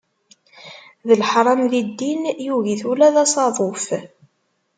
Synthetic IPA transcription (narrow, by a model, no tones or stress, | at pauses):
ðəlħɾˤɑmðid̪ːinjuʝiθulæðɑsˤɑðˤof